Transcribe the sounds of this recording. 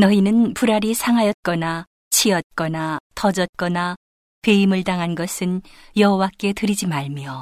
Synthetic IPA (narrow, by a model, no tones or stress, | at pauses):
nʌinɯnpuɾaɾisʰaŋɦajʌt̚k͈ʌna | t͡ɕʰiʌt̚k͈ʌnatʌd͡ʑʌt̚k͈ʌna | peimɯɭtaŋɦanɡʌsʰɯnjʌɦowak͈e̞tɯɾid͡ʑimaɭmjo